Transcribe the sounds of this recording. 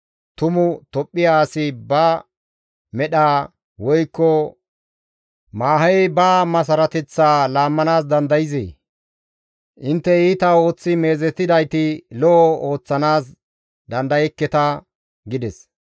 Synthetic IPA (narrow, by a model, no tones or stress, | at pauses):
t̪ʊmʊt̪ɔpʼːɪjaːsɪbɐ | mɛɗaː | wɔjkːɔ | maːɦɐjbaːmɐs̬ɐɾɐt̪ɛt͡sːaːlaːmːɐnaːsd̪ɐnd̪ɐjɪzḛː | ʔɪnt̪ːɛiːt̪ɐo̞ːt͡sːɪme̞ːzɛt̪ːɪd̪ɐjt̪ɪlɔʔɔo̞ːt͡sːɐnaːs | d̪ɐnd̪ɐjɛkːɛt̪ɐ | ɡɪd̪ɛs